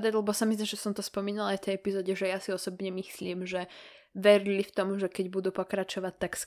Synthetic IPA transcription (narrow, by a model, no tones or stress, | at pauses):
d̪aɟlɛbɔsamizd̪aʒɛsɔmt̪ɔspɔmiːnalajft̪ɛjɛpizɔːɟɛʒɛjasiɔsɔbɲɛmisliːmʒɛ | ʋɛɾilift̪ɔmʒɛkɛɟbud̪uːpɔkɾat͡ʃɔʋac̚t̪aks